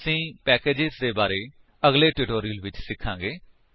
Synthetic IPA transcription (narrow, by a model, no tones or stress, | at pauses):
əsĩːpɛːkeːd͡ʒɪzd̪eːbaːɾeː | əɡleːʈɪʈoːɾijəlʋɪt͡ʃsɪkʰːãːŋɡeː